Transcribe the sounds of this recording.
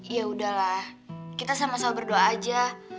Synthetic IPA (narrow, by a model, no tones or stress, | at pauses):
ijaudahlah | kit̪asamasabərdoaːd͡ʒa